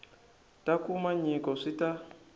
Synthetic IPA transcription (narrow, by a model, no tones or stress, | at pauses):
tʼakumaɲikɔʂita